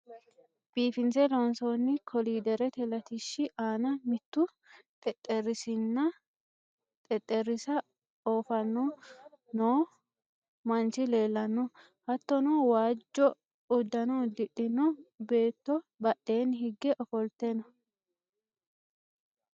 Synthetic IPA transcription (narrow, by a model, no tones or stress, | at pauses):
b̥iːfɪnt͡sɛlonsonːɪkʰɔliːd̪ɛɾɛt̪ɛlɐt̪ɪʃːɪʔaːnɐmɪt̪ːʊ | t̪ʼɛt̪ʼːɛrɪsɪnːɐ | t̪ʼɛt̪ʼːɛɾɪsɐ | oːfɐnːɔ | noː | mɐnt͡ʃɪle̞ːlːɐnːɔ | hɐt̪ːɔnoːwaːd͡ʒːɔ | ʊd̪ːɐnod̪ɪɗːɪnɔbe̞ːt̪ːɔbɐʔːe̞ːnhɪɡːɛʔɔfɔlt̪ɛnɔ